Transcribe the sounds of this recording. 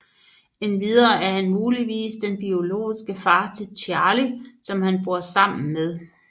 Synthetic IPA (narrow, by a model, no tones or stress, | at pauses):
e̝nʋið̞ˠɐːʔæɐhænmuːliʋḭːsd̥enb̥io̝lo̝̰ːisɡ̥əfɑ̈ːt͡sʰe̝lt͡sʰɑːlisɒ̽mhænb̥o̝ɐ̰sɑ̈m̰n̩með̞ˠ